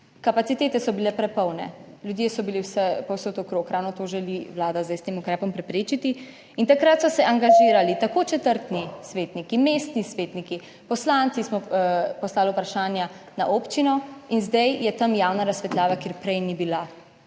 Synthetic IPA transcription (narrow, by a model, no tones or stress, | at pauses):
kapat̪sit̪eːt̪ɛsɔbilɛpɾɛpɔwnɛ̰ljud̪jesɔbiliwsɛpɔwsot̪ɔkɾoːkɾaːwnɔt̪oʒɛliʋwlaːd̪azd̪ajst̪emukɾɛːpɔmpɾɛpɾeːt͡ʃit̪i | int̪akɾat̪sɔsɛʔaŋɡaʒiːɾalit̪akoːt͡ʃɛt̪əɾt̪nisʋeːt̪nikimeːst̪nisʋeːt̪niki | pɔslaːnt̪sismɔpɔslaːliupɾaʃaːnja | naʔoːpt͡ʃinɔinzd̪ɛjjɛt̪amjaːwnaɾasːʋɛt̪laːʋakeːɾpɾɛjnibila